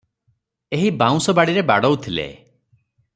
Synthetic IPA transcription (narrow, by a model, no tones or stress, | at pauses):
eɦibãw̃sɔbaɽiɾebaɽɔwt̪ʰilḛ